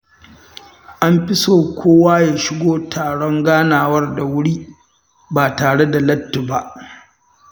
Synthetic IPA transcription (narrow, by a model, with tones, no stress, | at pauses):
ʔa˦mɸɪ˦soː˨kʷoː˦waː˦jaː˨ʃɪ˦ɡʷoː˦tʰaː˨ɽɔ˦ŋɡaː˦naː˨wɐ˦rda˨wʊ˦ɽiː˦ | baː˨taː˨ɽe˦da˨lɐ˦tːʊ˨ba˦˨ʔ